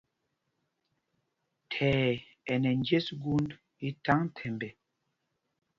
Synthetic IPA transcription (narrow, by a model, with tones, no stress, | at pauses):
tʰɛː˨ | ɛ˨nɛ˨nd͡ʒe˦sɡu˦nd | i˦ta˦ŋ˦tʰɛ˨mbɛ˨